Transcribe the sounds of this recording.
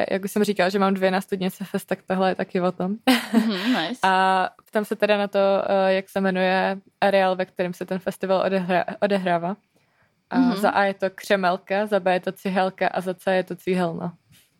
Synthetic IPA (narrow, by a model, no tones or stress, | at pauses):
jʔa̰ɡ̚uʃsɛmriːkalʒɛmaːmdvjɛnaːst̪udɲɪt͡sɛfɛst̪akt̪aɦlɛjɛt̪akɪvot̪om | sapt̪amsɛt̪ɛdanat̪ojaksɛmɛnujɛʔaɾɛaːlvɛk̚t̪ɛɾɪmsɛt̪ɛnfɛst̪ɪvalaʔodɛɦɾaːvaː | ʔaza̰ʔajɛt̪o̞kr̝̥ɛmɛlkazabɛjɛt̪ot͡sɪɦɛlkaʔazat͡sajɛt̪ot͡siɦɛlna